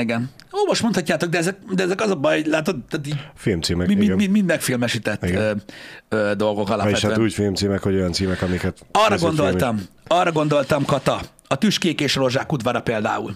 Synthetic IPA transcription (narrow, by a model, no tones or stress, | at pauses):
iɡɛn | oːmoʃmont̪hɒcːaːt̪o̞ɡ̚d̪ɛɛzɛk̚d̪ɛɛzɛkɒzɒbɒjlaːt̪od̪t̪at̪iɟfilmt̪siːmɛmimimimind̪mɛkfilmɛʃit̪ɛt̪ːɡ | øːd̪o̞lɡo̞kɒla̰eɛtʃhaøɛuːcfilmt̪siːmɛkhoɟo̞jɒnt̪siːmɛkɒmikɛt̪ɒrːɒɡond̪o̞lɒm | ɒrːɒɡo̞nd̪o̞lt̪ɒmkɒt̪ɒ | ɒt̪yʃkeːkeːʃro̞ʒaːkud̪vaːɾɒpeːld̪a̰ːṵl